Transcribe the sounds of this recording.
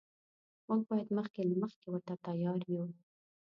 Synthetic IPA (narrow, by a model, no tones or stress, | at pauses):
muɡ̚bɑjad̪məxkelaməxkewəɾt̪at̪ajɑɾju